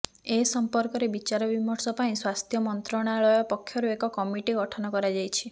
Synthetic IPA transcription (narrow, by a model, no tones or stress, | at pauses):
esɔmpɔɾkɔɾebit͡ʃaɾɔbimɔɾsɔpaĩswast̪ʰjɔmɔnt̪ɾɔɽ̃aɭɔjɔpɔkʰːjɔɾuekɔkɔmiʈiɡɔʈʰɔnɔkɔɾad͡ʒajt͡ʃʰi̥